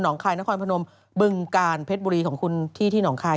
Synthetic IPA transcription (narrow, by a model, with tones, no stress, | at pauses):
nɔː˩˦ŋkʰaː˧jna˦˥kʰɔː˧npʰa˧no˧m | bɯ˧ŋkaː˧npʰe˦˥t̪̚buː˧ɾiː˧kʰɔː˩˦ŋkʰu˧nt̪ʰiː˥˩t̪ʰiː˥˩nɔː˩˦ŋkʰaː˧